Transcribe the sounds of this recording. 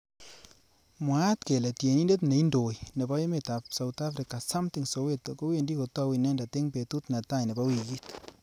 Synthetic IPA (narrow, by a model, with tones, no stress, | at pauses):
mwa˦t̪ke˨lɛ˨tje˨ni˦nde˦tne˨i˦ndo˨jne˨ba˦je˦me˨ta˨psa˨wta˦fɾika˨sa˦mti˨ŋso˨we˦tko˦we˨ndi˦ko˨tɔ˦wi˨nɛ˦nda˨te˦ŋpe˨tu˦t̪na˨ta˦jne˨ba˦wi˨ki˦t